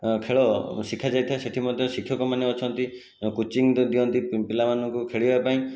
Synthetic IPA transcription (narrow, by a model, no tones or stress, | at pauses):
kʰeɭɔsikʰad͡ʒajt̪ʰaeseʈʰimɔd̪ʱjɔsikʰjɔkɔmaneɔt͡ʃʰɔnt̪i | kut͡ʃiŋd̪iɔnt̪ippilamanɔŋkukʰeɭibapaĩ